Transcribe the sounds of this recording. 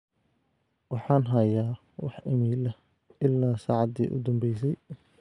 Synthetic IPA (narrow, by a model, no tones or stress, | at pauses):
wɑħɑːnɦɐjaː | wɑħɪmiːlɐh | ʔɪlːaːsa̰ːʕɑd̪ḭːʔʊ̰d̪ɐmbɛjsɛj